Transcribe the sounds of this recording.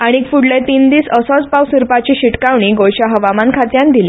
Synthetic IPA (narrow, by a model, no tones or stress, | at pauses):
aɽ̃iːkfuɽlet̪iːnd̪iːsəsɔt͡spawsiɾpat͡ɕiːɕiʈkaʋɳ̃iːɡojɕaɦəʋamankʰat̪jãnd̪ile